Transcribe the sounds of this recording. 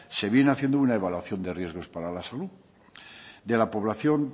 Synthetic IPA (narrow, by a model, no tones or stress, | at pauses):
se̞βje̞naθje̞nd̪ounae̞βalwaθjo̞nd̪e̞rje̞zɣo̞spaɾalasalu | d̪e̞lapo̞βlaθjo̞n